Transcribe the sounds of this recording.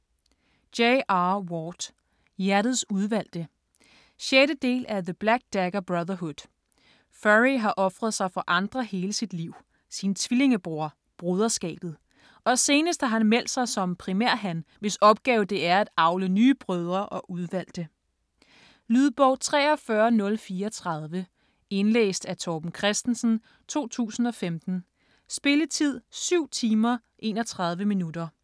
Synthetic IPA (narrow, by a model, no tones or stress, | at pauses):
d̥eɪʔɑwɒd̥ | jæɐd̥ð̩ˠsuð̞ˠʋæl̰d̥ə | ɕeɾəd̥e̝̰ːlʔæðəb̥læɡ̥̚d̥æɡ̥ɐb̥ʁɑðˠɐɦud̥ | fæʁiɦɑ̈ʔɒ̽fʁɐð̞̩ˠsɑ̈ɪfɒ̽ʔɑ̈nd̥ʁɐhe̝ːləsid̥liʊ̰ | sint͡sʰʋile̝ŋəb̥ʁo̝ɐ̰ | b̥ʁøð̞ˠɐsɡ̥ɛ̰ːb̥ð̞̩ˠ | ɒ̽se̝ːnəsd̥hɑ̈ɦænmel̰d̥sɑ̈ɪsɒ̽mpʰʁimæɐ̰ɦænʋe̝sɒ̽b̥̚ɡ̥ɛːʊd̥e̝æɐæd̥ɑ̈ʊlənyːb̥ʁœð̞ˠɐʔɒ̽ʔuð̞ˠʋæl̰d̥ə | lyðˠb̥ɒʊ̰t͡sʰʁɛ̰ːɒ̽fɶɐnɔ̽lfiːɐɒt͡sʰʁɑð̞ˠʋə | e̝nlḛːsd̥æt͡sʰɒːb̥n̩kʰʁɛsd̥n̩sn̩ | t͡sʰo̝̰ːt͡sʰṵːsn̩ɒ̽femd̥n̩ | sb̥e̝lət͡sʰið̞̰ˠsyʊ̰t͡sʰiːmɐ | ʔe̝ːnɒ̽t͡sʰʁɑ̈ð̞ˠʋəminud̥ɐ